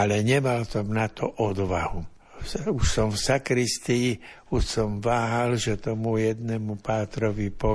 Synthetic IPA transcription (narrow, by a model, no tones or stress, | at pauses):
alɛɲɛmalsɔmnat̪ɔʔɔd̪ʋahu | uʃsɔmfsakɾist̪iː | uʃsɔmʋaːɦalʒɛt̪ɔmujɛd̪nɛmupaːt̪ɾɔʋipɔ